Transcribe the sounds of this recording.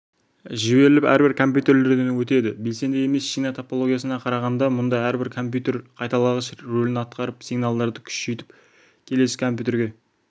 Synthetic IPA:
ʒɪbe̞ɾɪlɪpæ̰ɾbɪɾkʰo̞mp̬ʲjut̪e̞ɾle̞ɾd̪e̞nwɵt̪e̞d̪ɪbe̞lse̞nd̪eje̞me̞sʃiɡnɑt̪ʰopolˠo̞ɡʲijasənɑqʰɑɾɑʁɑnd̪ɑmʊnd̪ɑæɾbɪɾkʰo̞mp̬ʲjut̪e̞ɾqʰɑjt̪ɑlˠɑʁəsɾɵlɪnɑt̪qɑɾəpsijɡnɑlˠd̪ɑɾd̪əkʲʰʏ̥ʃejt̪ɪ̥p | kʲʰe̞le̞sɪkʰo̞mp̬ʲjut̪e̞ɾɡʲe̞

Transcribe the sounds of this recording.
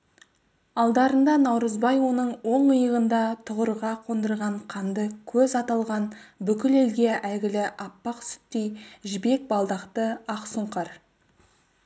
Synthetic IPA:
ɑlˠd̪ɑɾənd̪ɑnɑwɾəzbɑjwo̞nəɴwo̞ɴəjəʁənd̪ɑt̪ʰʊʁəɾʁɑqʰond̪əɾʁɑɴqʰɑnd̪əkʲʰɵzɑt̪ɑlˠʁɑnbʏkʲɪle̞lɡʲe̞ʔæɡʲɪlɪʔɑpːɑqsʏ̥t̪ːijʒɪbe̞k̚bɑlˠd̪ɑqt̪əɑqsuɴqɑɾ

